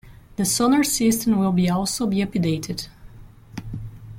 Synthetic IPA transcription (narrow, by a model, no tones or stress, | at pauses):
ðəsɔnə˞sɪstə̃nwɪlˠbiɔlˠsoʊbiɨpideɪtʰɪd̥